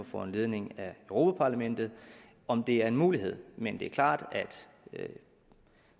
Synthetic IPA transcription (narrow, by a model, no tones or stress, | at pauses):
ɒfɒ̰e̝nle̝ð̞ˠne̝ŋæøʊʁo̝ːpʰæpʰɑ̈læmen̰d̥ð̞̩ˠ | ɒ̽md̥e̝æɐe̝nmuːliɦe̝ð̰ˠmend̥e̝æɐkʰlɑ̰̈ːd̥æd̥